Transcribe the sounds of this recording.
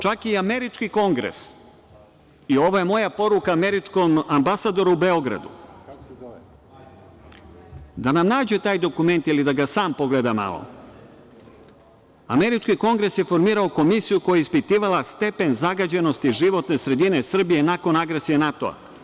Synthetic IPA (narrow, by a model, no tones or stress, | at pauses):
t͡ʃakiame̞ɾit͡ʃkiko̞ŋɡɾḛs | io̞ʋoje̞mo̞japo̞ɾukaːme̞ɾit͡ʂko̞mambasad̪o̞ɾuube̞o̞ɡɾa̰d̪ṵ | d̪anamnaːd͡ʑe̞t̪aːjd̪o̞kume̞nt̪ilid̪aɡasaːmpo̞ɡled̪ama̰lo̰ | ame̞ɾit͡ʃkiko̞ŋɡɾe̞sje̞fo̞ɾmiːɾaoko̞misijuko̞jaispit̪iːʋalast̪e̞pe̞nzaɡad͡ʑe̞no̞st̪iʒiʋo̞t̪ne̞sɾe̞d̪ine̞sr̩bije̞nako̞naɡɾesijenat̪o̞̰a̰